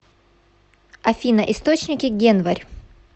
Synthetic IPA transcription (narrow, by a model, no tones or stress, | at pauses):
ɐfʲinɐʔɪst̪ot͡ɕnʲɪkʲɪɡʲenvɐɾʲ